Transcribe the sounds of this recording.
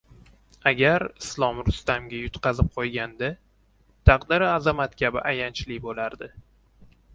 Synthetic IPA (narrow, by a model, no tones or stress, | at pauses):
aɡʲaɾɪslˠɒmɾʊst̪amɡʲajʊt̪qʰɑzɪp̚qʰojɡʲand̪ɪ | t̪ʰɑqd̪ɪɾɪazamat̪kʲʰabɪʔajant͡ʃlɪbolaɾd̪ɪ